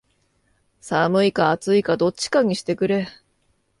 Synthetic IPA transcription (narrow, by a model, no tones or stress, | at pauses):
samɯ̟ikaːt͡sɨikad̪o̞t͡ɕi̥kaɲ̟iɕi̥t̪e̞kɯ̟ɾe̞